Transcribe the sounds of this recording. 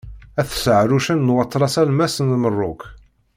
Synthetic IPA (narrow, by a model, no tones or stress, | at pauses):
æθsəʕɾuʃænːwɑt̪ˤːɾˤɑsælmæsənmərˤːʊk